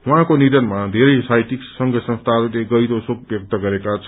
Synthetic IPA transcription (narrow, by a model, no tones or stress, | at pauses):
ɦuɦãkoniɾʌnmad̪ʱeɾʌjsajt̪iksʌŋɡʌsʌ̃nst̪ʰaɾuleɡʌjɾosok̚ʰbjʌk̚t̪ʌɡʌɾekat͡sʰ